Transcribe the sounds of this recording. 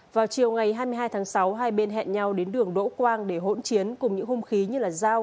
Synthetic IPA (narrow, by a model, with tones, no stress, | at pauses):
vaː˨˩wt͡ɕi˨˩əwŋa˨˩jɦaː˧jmɨ˧jɦaː˧jt̪ʰaː˨˦ŋsa˨˦wɦaː˧jɓe˧nɦɛ̰˧˨nɲa˧wɗe˨˦nɗɨ˨˩əŋɗo̰˧˥kwaː˧ŋɗe˧˩ɦo̰˧˥nt͡ɕi˨˦ənkʊ˨˩ŋ͡mɲɨ̰˧˥ŋhʊ˧ŋ͡mxi˨˦ɲɨ˧laː˨˩zaː˧w